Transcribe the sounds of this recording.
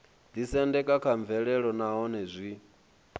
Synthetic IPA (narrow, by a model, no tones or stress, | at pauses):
d̪isɛndɛkʼakʰaɱvɛɺɛɺɔnaɦɔnɛzʷi